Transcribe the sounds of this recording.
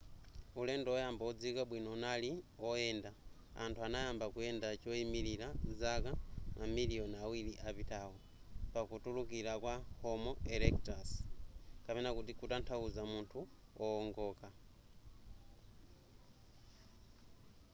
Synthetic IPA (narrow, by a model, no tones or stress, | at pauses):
ulendoojaːmbaod͡zikaɓwinonaliojenda | a̰ntʰuanajambakujendat͡ʃoimiɾilazakanamilijonawiliʔaβitawo | pakutulukilakwahomoelektɾas | kaβenakutikutantʰauzamuntʰuooŋɡoka